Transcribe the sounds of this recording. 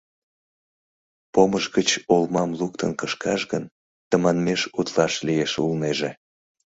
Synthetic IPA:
poməʒɣət͡ɕolmɑmlukt̪ʰənkəʃkɑʃɣən | t̪əmɑnmeʃut̪lɑʃlijeʃulneʒe

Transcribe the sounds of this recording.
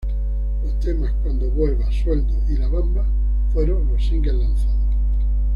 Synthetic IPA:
lohst̪e̞mahkwand̪oβwe̞lβaswe̞ld̪oʔilaβamba | fwe̞ɾoŋlosiŋɡelan̟θað

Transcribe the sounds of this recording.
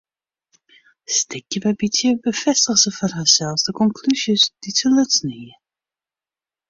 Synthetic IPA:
stɪkjəbɛbitjəbəfɛstəχsəfɔrɦasɛlˠfsdəkɔŋkʰlysjəsd̥isəlɵtsniə

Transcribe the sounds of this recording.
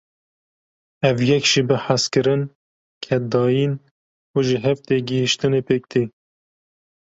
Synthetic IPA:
ɛvjɛkʒibɨħaskɨɾɨn | kʰɛd̪ɑːjin | uːʒɪɦɛft̪eːɡɨhiʃt̪ɨnepʰeːk̚t̪ʰeː

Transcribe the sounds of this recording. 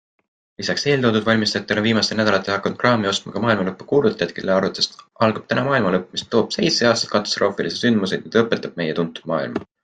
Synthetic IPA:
lisɑkse̞ːlt̪o̞ːd̪ud̪vɑlʲmist̪ɑt̪ːˑeonviːmɑst̪enæd̪ɑlɑt̪ːˑehɑkːˑɑnud̪̥krɑːmio̞st̪mɑkɑmɑːilmɑlɤpːu̥kuːlut̪ːˑɑjɑt̪̚kḛlːeɑɾut̪ːˑest̪ʔɑlɡ̥ɑb̥̚t̪ænɑmɑːilmɑlɤpːˑmist̪ːo̞ːb̥se̞jt̪se̞ɑːst̪ɑ̥t̪kɑt̪ːˑo̥st̪rʔo̞ːfilised̪synd̪̥muse̞d̪mid̪ɑɤpːˑet̪ːˑɑb̥̚me̞jet̪unt̪ːˑud̪̥mɑ̰ːḭlmɑ

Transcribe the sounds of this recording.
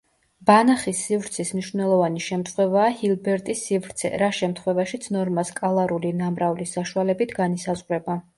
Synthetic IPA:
b̥anaχisːivɾt̪sʰismniʃvnɛlˠɔvaniʃɛmt̪ʰχwɛvaːhilˠbɛɾt̪ʼisːivɾt̪sʰɛ̰ɾaʃɛmt̪ʰχwɛvaʃit̪sʰnɔɾmaskʼalˠaɾulinamɾaulisaʃualɛbit̪ʰɡanisazʁɾɛba

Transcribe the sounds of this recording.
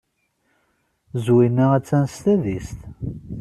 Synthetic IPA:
zwinːææt͡sːænst̪æðist̪

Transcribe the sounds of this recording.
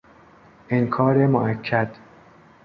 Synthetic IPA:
ʔeŋkʰɒːɾemoʔækʰːæd̪̥

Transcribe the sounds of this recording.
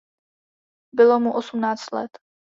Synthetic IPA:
bɪlomuʔosumnaːt͡st̪lɛ̰t̪

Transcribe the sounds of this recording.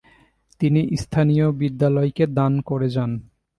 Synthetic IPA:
t̪iniʔst̪ʰanijobid̪ːalɔeked̪ankoɾed͡ʑan

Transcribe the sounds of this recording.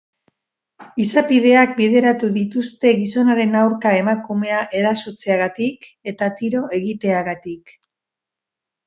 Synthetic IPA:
isapið̞e̞ak̚bið̞e̞ɾat̪uðit̪ust̪e̞ɣiso̞naɾe̞nawɾkae̞makume̞aʔe̞ɾasot͡se̞aɣat̪ik | e̞t̪at̪iɾo̞e̞ɣit̪e̞aɣat̪ik

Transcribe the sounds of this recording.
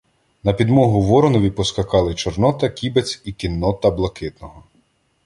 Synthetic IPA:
nɐpʲid̪mɔɦʊʋɔɾɔnɔʋʲipɔskɐkɑlˠɪt͡ʃɔrnɔt̪ɐkʲibet͡sʲikʲinːɔt̪ɐblˠɐkɪt̪nɔɦɔ

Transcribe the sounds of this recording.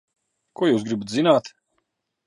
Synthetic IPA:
kuɔjuːsɡɾibat̪zinaːt̪

